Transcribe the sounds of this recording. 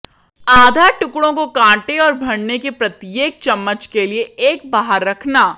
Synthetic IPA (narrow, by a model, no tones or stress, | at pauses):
aːd̪ʱaʈʊkɽõkokãːʈeɔːɾbʱɐɽnekepɾɐt̪jeːɡ̚t͡ʃɐmːət͡ʃkelieeːk̚baːɦəɾːɐkʰnaː